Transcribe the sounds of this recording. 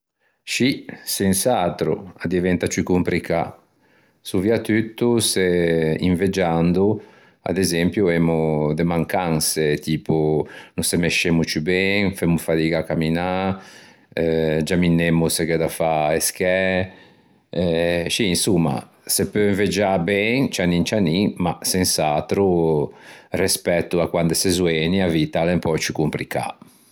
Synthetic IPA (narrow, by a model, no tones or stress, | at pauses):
ʃisɛnsat̪ɾṵad̪ivɛnt̪at͡ʃykumpɾikʰa | suviat̪yt̪ːuseiɱved͡ʒand̪u | a̰d̪ezɛmpjuɛmud̪emaŋkanset̪ʰiːpunusemeʃemut͡ʃubɛŋfɛmːufat̪iɡakːamina | ɛd͡ʒaminːemːusekɛd̪afaeskɛ | ɛt͡ʃiːnsumːa̰ | sepːøɱved͡ʒabɛŋt͡ʃanint͡ʃanimasensat̪ɾu | rɛspɛt̪ːuakwand̪esezwɛniavit̪alempɔt͡ʃukumpɾika̰